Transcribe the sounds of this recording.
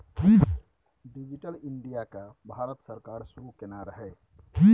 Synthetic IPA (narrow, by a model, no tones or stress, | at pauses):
ki | ɖid͡ʒiʈəlɪɳɖijakabʱaːɾət̪səɾkaːɾsuɾukenaɾəɦɛ